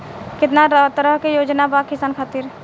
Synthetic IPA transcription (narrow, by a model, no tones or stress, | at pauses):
kɪt̪̬naɾəɦt̪ɾəɦkejod͡ʒnabakɪsaːnkʰat̪iɾ